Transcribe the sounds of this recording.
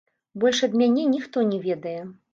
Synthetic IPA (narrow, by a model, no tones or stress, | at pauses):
bɔlʲʂɐd̪mʲanʲɛnʲixt̪ɔnʲɛvʲɛd̪ɐjɛ